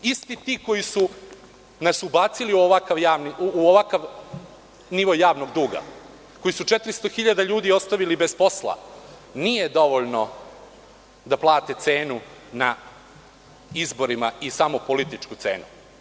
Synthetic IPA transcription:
ist̪it̪iːko̞jisu | nasubaːt̪siliuoʋakaʋjaːʋniuoʋakaʋ | niʋo̞jːaːʋno̞ɡd̪uːɡa̰ | ko̞jisut͡ʃet̪ɾist̪oxiʎad̪aʎuːd̪io̞st̪aʋilibespo̞slˠa̰ | nije̞d̪o̞ʋoʎno | d̪aplˠaːt̪et̪se̞ːnuna | izbo̞ɾimaisamo̞polit̪it͡ʂkut̪sḛːnu

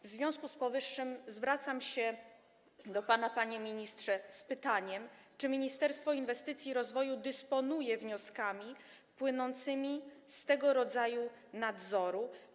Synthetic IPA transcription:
vzvʲjɔ̃w̃skuspɔvɘʂːɘmzvɾat̪samɕɛ | d̪ɔpanapaɲɛmʲiɲistʂɛspɘt̪aɲɛmt͡ʂɘmʲiɲist̪ɛɾst̪fɔinvɛst̪ɘt̪sʲjiɾɔzvɔjud̪ɘspɔnujɛvɲɔskamʲi | pwɘnɔnt̪sɘmʲist̪ɛɡɔɾɔd̪zaju | nad̪zɔɾu

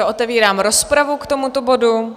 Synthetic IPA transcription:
oʔot̪ɛviːɾaːmɾospɾavukt̪o̞mut̪obo̞du

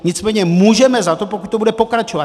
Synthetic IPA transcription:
ɲɪt͡smɛːɲɛmuːʒɛmɛzat̪o̞pokut̪̚ʲt̪obudɛpo̞kɾat͡ʃova

